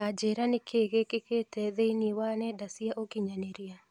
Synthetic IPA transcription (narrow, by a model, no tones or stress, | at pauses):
ad͡ʒeɾanɪkʰekekeketɛðeniwanɛdasiaʔokɪɲaneɾia